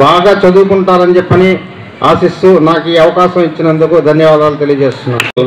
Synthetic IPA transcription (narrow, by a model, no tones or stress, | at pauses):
baːɡaːt͡ʃɐd̪uːkuɳʈaːɾɐnit͡ʃɛpːɐni | aːsist̪unaːkiːɐʋɐkaːʃɐmit͡ʃːinɐnd̪ukud̪ʱɐnjɐʋaːd̪aːlut̪elijɐd͡ʒe̞ːst̪unːa̰ːɾ